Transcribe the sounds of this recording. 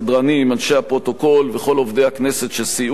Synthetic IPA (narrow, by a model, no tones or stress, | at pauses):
d̪ʁanimanʃeapʁo̞t̪o̞ko̞lveχo̞lo̞vd̪e̞jhakneset̪ʃesi